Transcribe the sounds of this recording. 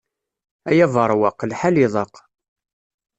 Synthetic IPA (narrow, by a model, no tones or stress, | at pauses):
æjævəɾˤwɑqlħalɪðˤɑq